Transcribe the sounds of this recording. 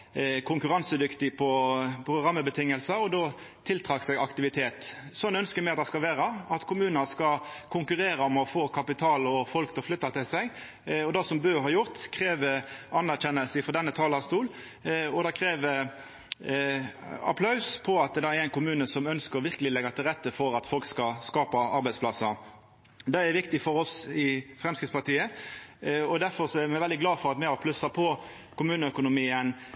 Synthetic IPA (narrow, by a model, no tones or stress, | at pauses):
kʰʊŋkʉɾɑnsəd̪ʏkt̪ɪpʰɔpʰʁʊɡʁɑmːəbət̪ʰɪŋːəlsəɔd̪oː | t̪ʰɪlt̪ʰɾɑːksɛɡɑkt̪ɪʋɪt̪ʰeːt̪sɔnːœnskəmɛɪɑt̪̚d̪ɛskɑlʋæːɾɑɑt̪kʰʊmʉːnəskɑkʰʊŋkʉɾeːɾəɔmɔfoːkʰɑpɪt̪ʰɑːlɔfɔlkt̪ʰɔlflʏt̪ːɑt̪ʰɪlsæɪ | ɔd̪ɑsɔmbøːɦɑːjʊʁt̪kʰʁeːʋəɑnːæɾçɛnːəlsɪfɔd̪ɛnːət̪ʰɑːlɑst̪uːl | ɔd̪ɑkʰɾeːʋə | ɑ̰pʰlɑʉspʰɔɑt̪d̪ɑæɾæɪnkʰʊmʉːnəsɔmœnskəɾʁɔʋɪʁkəlɪlɛɡɑt̪ʰɪlɾɛt̪ːəfɔɾɑt̪fɔlkskɑskɑːpɑɑɾbɛɪdspʰlɑsə | d̪ɛɛʋɪkt̪ɪfɔɾɔsɪfɾɛmskɾɪt̪spɑʁt̪ʰiːə | ɔd̪æɾfɔɾsɔæɾmɛʋɛld̪ɪɡlɑːfɔɾɑt̪mɛɑpʰlʉsɑpʰɔ | kʰʊmʉːnəœkʊnʊmiːən